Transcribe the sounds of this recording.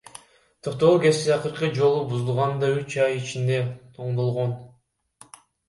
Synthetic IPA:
t̪ʰo̞q̚t̪o̞uke̞zt̪iɑqɯɾqɯd͡ʒo̞lˠubuzulˠʁɑnd̪ɑyt͡ʃɑjit͡ʃind̪e̞ | oɴd̪o̞lˠʁon

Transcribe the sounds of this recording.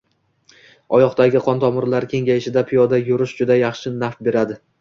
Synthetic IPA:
ɒjɒqt̪aɡʲɪqʰɒnt̪ʰɒmʊɾlaɾkʲʰe̞ŋɡʲajɪʃɪd̪apʰijɒd̪ajʊɾɪʃd͡ʒʊd̪ajɑχʃɪnafbe̞ɾad̪ɪ

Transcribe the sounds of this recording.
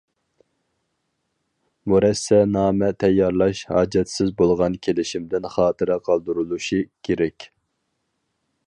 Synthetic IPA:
muɾɛsːɛnɑːmɛt̪ʰɛjːɑɾlˠɑʃhɑ̰ːd͡ʒɛt̪sɪzbolˠʁɑnkʲʰelɪʃimd̪ɪnχɑːt̪ʰɨɾɛqʰɑlˠd̪uɾulˠuʃikʲʰeɾɛkʲ

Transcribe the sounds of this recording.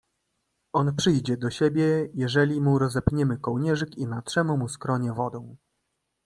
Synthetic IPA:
ɔnpʂɘjd͡ʑɛd̪ɔɕebʲjɛjɛʐɛlʲimuɾɔzɛpɲɛmɘkɔwɲɛʐɘkinatʂɛmumuskɾɔɲɛvɔd̪ɔ̃w̃

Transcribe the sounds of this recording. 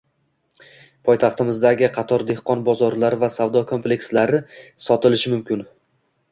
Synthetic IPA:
pʰɒjt̪ʰɑχt̪ɪmɪzd̪aɡʲɪqʰɑt̪ʰɒɾd̪e̞hqɒnbɒzɒɾlaɾɪvasavd̪ɒkʰo̞mplekʲslaɾɪsɒt̪ɪlɪʃɪmʊmkʲɪn

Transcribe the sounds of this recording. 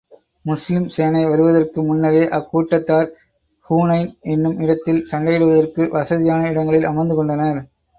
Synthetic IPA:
mʊslɪmsejɐnɐɪʋɐɾɯʋɐðɐrkɯmʊnːɐɾeːʔɐkːuːʈːɐt̪ːaːɾ | huːnɐɪnɛnːɯmɪɽɐt̪ːɪlsɐɳɖɐjɪɽɯʋɐðɐrkɯʋɐsɐðɪjaːnɐɪɽɐŋɡɐɭɪlɐmɐnd̪ɯkɔɳɖɐnɐɾ

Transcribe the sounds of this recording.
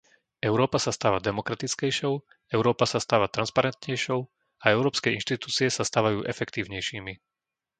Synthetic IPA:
ɛʊɾɔːpasast̪aːʋad̪ɛmɔkɾat̪it͡skɛjʃɔʊ | ɛʊɾɔːpasast̪aːʋat̪ɾanspaɾɛnt̪ɲɛjʃɔʊ | aɛʊɾɔːpskɛinʃt̪it̪uːt͡siɛsast̪aːʋajuːʔɛfɛkt̪iːʊɲɛjʃiːmi

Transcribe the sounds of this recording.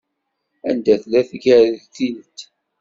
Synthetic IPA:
æ̰nd̪æθlæθɡət̪inət̪ː

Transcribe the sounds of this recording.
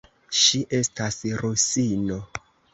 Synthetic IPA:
ʃiʔe̞stasɾusino

